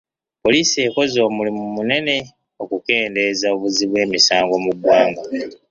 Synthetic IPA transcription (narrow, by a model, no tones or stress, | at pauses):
po̞liːsie̞ːko̞zo̞ːmulimumune̞ne̞ | o̞kuke̞ːnde̞zao̞βuziβwe̞ːmisaːŋɡo̞muɡwaːŋɡa